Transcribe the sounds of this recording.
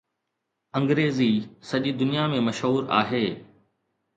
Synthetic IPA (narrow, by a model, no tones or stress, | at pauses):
ɐ̃ŋɡɾeːzisɐʄid̪ʊnijamẽmɐʃɦuːɾa̰ːɦeː